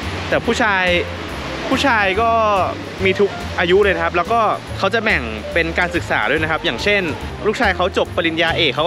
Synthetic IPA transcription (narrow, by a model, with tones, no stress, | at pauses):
t̪ɛː˨˩pʰuː˥˩t͡ɕʰaː˧j | pʰuː˥˩t͡ɕʰaː˧jkɔː˥˩ | miː˧t̪ʰu˦˥k̚ | ʔaː˧ju˦˥lɤː˧jna˦˥kʰa˦˥p̚lɛː˦˥wkɔː˥˩ | kʰa˦˥wt͡ɕa˨˩bɛ˨˩ŋ | pe˧nkaː˧nsɯ˨˩k̚saː˩˦du˥˩jna˦˥kʰa˦˥p̚jaː˨˩ŋt͡ɕʰe˥˩nluː˥˩k̚t͡ɕʰaː˧jkʰa˦˥wt͡ɕo˨˩pːa˧li˧njaː˧ʔeː˨˩kʰːa˦˥